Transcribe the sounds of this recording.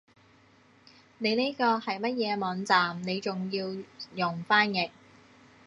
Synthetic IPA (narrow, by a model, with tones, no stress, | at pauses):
ne˨˧jne˥kɔː˧hɐ˨jmɐ˥t̚jɛː˨˧mɔː˨˥nt͡saː˨mne˨˧jt͡sʊ˨ŋjiː˧wjʊ˨ŋfaː˥njɪ˨˩k̚